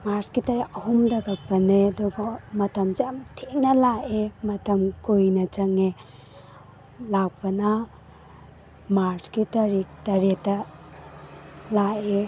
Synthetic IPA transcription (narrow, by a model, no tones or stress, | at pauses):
maɾskitajɐɦumdɐɡak̚pɐnedɔɡamɐtʰɐmzamtʰenalaʔemɐtʰɐmkujnɐt͡ʃɐŋe | lak̚pɐna | maɾskitɐɾitɐɾetɐ | lae